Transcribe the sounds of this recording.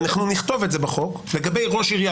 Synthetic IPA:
naχnuniχt̪o̞vetze̞baχo̞kle̞ɡabe̞jʁo̞ʃiʁja

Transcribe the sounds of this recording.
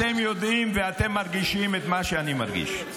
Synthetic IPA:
emjo̞d̪imveat̪emːaʁɡiʃimet̪maʃeanimaʁɡḭʃ

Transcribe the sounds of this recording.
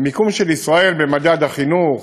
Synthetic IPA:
mikumʃelisʁae̞lbemad̪ad̪aχinuχ

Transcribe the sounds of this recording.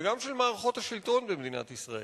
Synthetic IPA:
ɡamʃelmaːʁeχo̞thaʃilt̪o̞nbemed̪ina̰t̪isʁaḛ

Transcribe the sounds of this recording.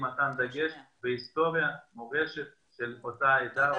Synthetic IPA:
mat̪and̪aɡeʃbeist̪o̞ʁjamoʁeʃet̪̚ | ʃelot̪aed̪a

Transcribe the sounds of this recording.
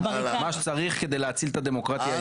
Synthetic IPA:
maʃe̥t͡saʁiχked̪ejleat͡silt̪ad̪emo̞kʁat̪ja

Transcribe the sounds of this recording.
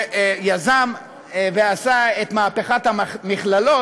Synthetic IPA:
jazam | veasaet̪maːpeχat̪hamiχlalo̞

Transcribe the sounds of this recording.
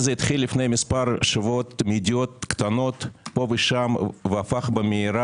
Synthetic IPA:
zeit̪χilːifne̞jmispaɾʃavot̪mid̪ʲijot̪̚kt̪ano̞t̪po̞veʃamveafaχbəmeiɾa

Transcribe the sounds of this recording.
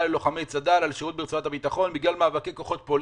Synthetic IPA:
lelo̞χamejt͡sadalalʃeʁut̚bit͡saat̪habit̪aχo̞nbiɡlalmaːvakejko̞χo̞t̪pol

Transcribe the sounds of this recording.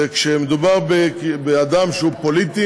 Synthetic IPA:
ekʃemed̪ubaʁbebead̪amʃeupo̞lit̪i

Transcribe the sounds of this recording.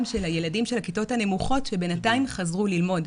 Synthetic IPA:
mʃe̞lajeladimʃelakito̞thane̞muχo̞tʃe̞benataimχazʁulilmo̞d

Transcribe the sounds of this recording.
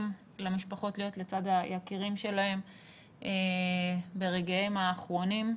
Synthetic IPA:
m | lemiʃpaχo̞tlijo̞tle̞t͡sad̪hajakiʁimʃe̞lahe̞m | ʔe | be̞ʁeɡajemaːχʁo̞nim

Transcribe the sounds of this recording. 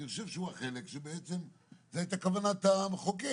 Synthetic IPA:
iχoʃevʃeuaχe̞lekʃebeet͡sem | zeait̪akavanat̪amχoke

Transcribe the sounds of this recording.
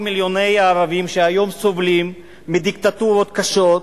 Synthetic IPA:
miljo̞ne̞jaːʁavimʃeajo̞mso̞vlimː | id̪ikt̪at̪uɾo̞t̪kaʃo̞t̪

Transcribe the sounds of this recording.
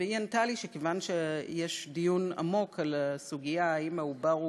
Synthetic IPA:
eiantaliʃekevanʃejeʃdijuna̰mo̞kʰalsuɡijaaimaubaʁ

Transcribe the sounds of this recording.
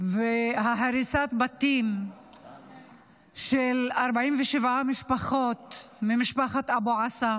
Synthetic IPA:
veɦaɦaɾisat̪bat̪im | ʃelaɾbaʕimveʃevʕamiʃpaχo̞t̪mimiʃpaχat̪aboʕasa

